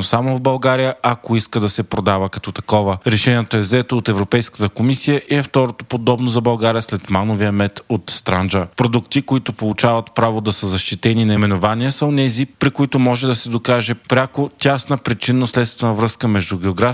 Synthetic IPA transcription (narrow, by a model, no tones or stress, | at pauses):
nosamovbɐlˠɡaɾijəʔɐkoiskəd̪ɐsɛpɾod̪avəkɐt̪ɔt̪ɐkɔvəɾɛʃɛniɛt̪oɛvzɛt̪oːt̪ɛvɾopɛjskə̥t̪əkomisijəʔɛft̪ɔɾot̪o̥pod̪ɔbnozɐbɐlˠɡaɾijəslɛt̪manoviəmɛt̪ot̪st̪ɾand͡ʒəpɾod̪ukt̪ikoit̪ʊpolˠut͡ʃavɐt̪pɾavod̪ɐsəzɐʃt̪it̪ɛninɐimɛnovaniəsɐonɛzipɾikoit̪ʊmɔʒɛd̪ɐsɛd̪okaʒɛpɾʲakot̪ʲasnəpɾit͡ʃinoslɛt̪st̪nɐvɾɤskəmɛʒd̪uɡɛoɡɾa